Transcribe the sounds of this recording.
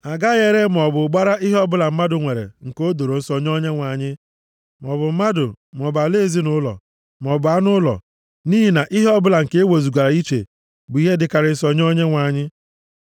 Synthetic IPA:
a˨ɡa˦ɣe˦ɾe˦m˨ɔ˨bʊ˨ɡ͡ba˦ɾa˦ʔi˦ɦe˦ɔ˦bʊ˦la˨m̩˦ma˦dʊ˨ŋʷe˨ɾḛ˨ŋ̩˨ko˦do˨ɾo˨n̩˦sɔ˨ɲ˦o˦ɲe˦ŋʷa˨ɲɪ˦ | m˨ɔ˨bʊ˨m̩˦ma˦dʊ˨ | m˨ɔ˨ba˨le˦zi˦nʊ˦lɔ̰˨ | m˨ɔ˨bʊ˨a˦nʊ˦lɔ̰˨ | niː˦ɦi˨na˨ʔi˦ɦe˦ɔ˦bʊ˦la˨ŋ̩˨ke˦e˦wo˨zu˨ɡʷa˨ɾa˨i˦t͡ʃḛ˨ | bʊ˨˦i˦ɦe˦dɪ˦ka˨ɾɪ˨˦sɔ˦ɲ˦o˦ɲe˦ŋʷa˨ɲɪ˦

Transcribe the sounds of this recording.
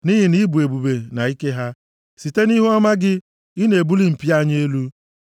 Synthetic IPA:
ni˦ɦi˨ni˦bu˨e˨bu˨be˨na˨i˦ke˦ɦa˦ | si˨te˦ni˦ɦu˦a˦ma˦ɡɪ˦ | i˦ne˨e˨bu˦li˦m̩˨pi˦a˦ɲ˦e˦lu˦

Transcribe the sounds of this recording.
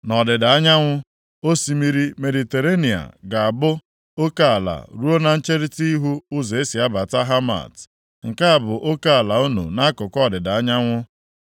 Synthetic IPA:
nɔ˨dɪ˨da˨a˦ɲa˦ŋʷʊ˦ | o˦si˦mi˦ɾi˦me˨di˨te˨ɾe˦ni˨a̰˨ɡa˨a˨bʊ˦ | o˦ka˦a˨la̰˨ɾu˦o˦na˨n̩˦t͡ʃe˦ɾi˦ti˦ɦu˦ʊ˦ze˨e˦si˨a˦ba˨ta˦ɦa˦ma̰˨t | ŋ̩˨ka˦a˨bʊ˨ʔo˦ka˦a˨la˨o˦nṵ˨na˦a˦kʊ˨kɔ˦˨dɪ˨da˨a˦ɲa˦ŋʷʊ˦

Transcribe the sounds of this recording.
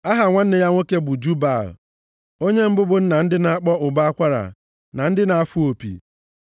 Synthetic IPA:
a˦ɦa˨ŋʷa˦n̩˦nɪ˦ja˦ŋʷo˦ke˦bʊ˨d͡ʒu˦ba˨l̰ | o˦ɲe˦m̩˦bʊ˦bʊ˨n̩˦na˨n̩˦dɪ˦na˨a˦k͡pɔ˦ʊ˨ba˦a˦kʷa˦ɾa̰˨ | na˨n̩˦dɪ˦na˨a˨fu˦o˨pḭ˨

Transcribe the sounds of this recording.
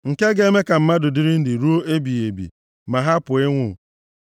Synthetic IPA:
ŋ̩˨ke˦ɡe˦me˦ka˨m̩˦ma˦dʊ˨dɪ˦ɾɪ˦n̩˦dɪ˨ɾu˦o˦ʔe˦bi˨e˨bḭ˨ | ma˨ɦa˦pʊ˨ɪ˦ŋʷʊ˦˨

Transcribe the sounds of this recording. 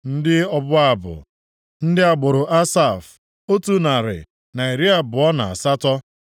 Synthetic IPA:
n̩˦dɪ˦ɔ˦bʊ˦a˦˨bʊ̰˨ | n̩˦dɪ˦a˨ɡ͡bʊ˨ɾʊ˨ʔa˦sa˦˨f | o˦tu˦na˨ɾɪ̰˨ | na˨e˨ɾi˦a˦bʊ˨ɔ˦na̰˨a̰˨sa˦tɔ˦

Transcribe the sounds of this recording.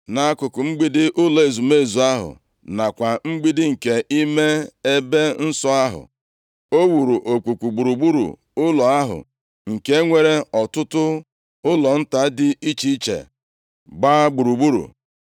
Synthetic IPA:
na˨a˦kʊ˨kʊ˨ŋ͡m̩˦ɡ͡bi˦dɪ˦ʔʊ˦lɔ˨e˨zu˨me˦˨zu˨a˦ɦʊ̰˨ | na˨kʷa˨ŋ͡m̩˦ɡ͡bi˦dɪ˦ŋ̩˨ke˨ʔi˦me˦e˦be˦n̩˦sɔ˦a˦ɦʊ̰˨ | o˦wu˨ɾu˨ʔo˨k͡pu˨kʷu˨ɡ͡bu˨ɾu˨ɡ͡bu˦ɾṵ˨ | ʊ˦lɔ˨a˦ɦʊ̰˨ | ŋ̩˨ke˦ŋʷe˦ɾe˦ɔ˨tʊ˦tʊ˦ | ʊ˦lɔ˨n̩˦ta˦dɪ˦i˦t͡ʃi˦t͡ʃḛ˨ | ɡ͡baː˦ɡ͡bu˨ɾu˨ɡ͡bu˦ɾṵ˨

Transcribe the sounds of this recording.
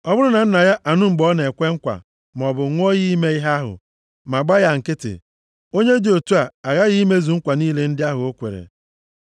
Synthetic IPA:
ɔ˦bʊ˦ɾʊ˦na˨n̩˦na˨ja˦ʔa˨nʊ˦ŋ͡m̩˨ɡ͡bɔ˦ne˨kʷe˦ŋ̩˦kʷa̰˨ | m˨ɔ˨bʊ˨˦ŋʷɔ˦ɣi˦me˦i˦ɦa˦ɦʊ̰˨ | ma˨ɡ͡ba˦ja˦ŋ̩˨kɪ˦tɪ̰˨ | o˦ɲe˦di˨o˨tu˦a˨a˨ɣa˦ɣi˦me˦zu˨ŋ̩˦kʷa˨niː˦le˨n̩˦dɪ˦a˦ɦʊ˨o˦kʷḛ˨ɾḛ˨

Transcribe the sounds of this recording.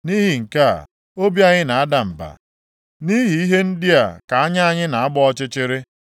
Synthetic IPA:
niː˦ɦi˨ŋ̩˨ka̰˦˨ | o˦bja˦ɲɪ˦na˨a˦da˨m̩˨ba̰˨ | ni˦ɦi˨i˦ɦe˦n̩˦di˦a˨ka˨a˦ɲa˦a˦ɲɪ˦na˨a˦bɔ˦ɔ˦t͡ʃɪ˦t͡ʃɪ˦ɾɪ˦

